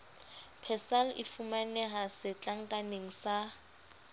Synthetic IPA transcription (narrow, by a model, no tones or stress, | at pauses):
pʰɛsalʔḭfumanɛɦasɪt͡ɬʼaŋ̩kʼaneŋ̩sa